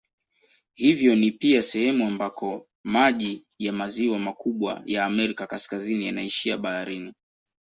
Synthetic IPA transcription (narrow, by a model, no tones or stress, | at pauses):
hivjɔnipiasɛhɛmuambakʰɔ | maʄi | jamaziwamakuɓwa̰jaːmɛɾikakaskazinijanaiʃiaɓahaɾini